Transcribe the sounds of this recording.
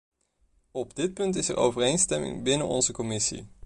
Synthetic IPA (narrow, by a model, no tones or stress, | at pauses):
ɔbdɪt̚pɵntɪsə̰ɹʔo̰wvərejnstɛmɪ̰ŋbɪnənɔ̰nzəkɔmɪsḭ